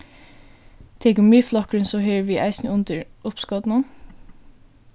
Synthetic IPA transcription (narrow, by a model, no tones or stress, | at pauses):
t̪ʰɛkʊmyːflɔkɹɪnsɔɦøːʋiʔa̰ɪsnəʊnt̪əɹʊpskɔt̪nʊn